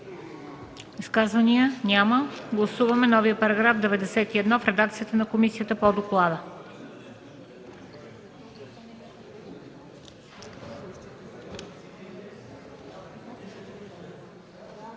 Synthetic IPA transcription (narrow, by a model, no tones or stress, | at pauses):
iskazvəniənʲaməɡlˠɐsuvɐmɛnɔviəpɐɾɐɡɾafd̪ɛvɛd̪ɛsɛt̪iɛd̪nɔfɾɛd̪akt̪sijət̪ənɐkomisiət̪əpod̪oklˠad̪ə